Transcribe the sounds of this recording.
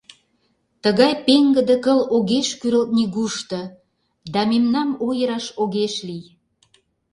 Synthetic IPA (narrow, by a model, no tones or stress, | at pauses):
t̪əɣɑjpeŋɡə̆d̪ə̆kəloɣeʃkyɾəlt̪̚niɣuʃt̪ɤ̆ | d̪ɑmemnɑmojəɾɑʃoɣeʃlij